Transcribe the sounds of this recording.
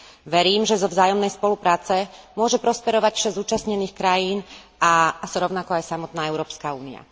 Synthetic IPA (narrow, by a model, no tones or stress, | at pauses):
ʋɛɾiːmʒɛzɔvzaːjɔmnɛjspɔlupɾaːt͡sɛmʊɔʒɛpɾɔspɛɾɔʋacfʃɛzuːt͡ʃasɲɛniːxkɾajiːn | asɾɔʊnakɔajsamɔt̪naːɛʊɾɔːpskaṵːnḭa̰